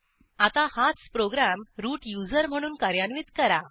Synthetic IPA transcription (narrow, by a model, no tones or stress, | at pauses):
at̪ahat͡spɾoɡɾamɾuːʈjud͡zəɾm̤əɽ̃uːnkaɾjanʋiːt̪kəɾa